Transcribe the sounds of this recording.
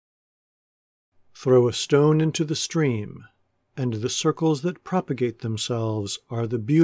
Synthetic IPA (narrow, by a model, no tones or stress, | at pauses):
θɹoʊəstõʊ̃nɪ̃ntʰʉðɨstɹ̥ĩm | ɨ̃nðɨsɜ˞kl̩ˠzðɨt̚pʰɹ̥ɑpɨɡeɪt̪̚ðɨ̃msɛlˠvzə˞ðɨbjʉ